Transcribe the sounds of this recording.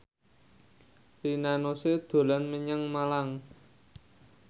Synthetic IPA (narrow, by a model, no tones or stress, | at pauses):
rinanosed̪̥o̤lanməɲaŋmalaŋ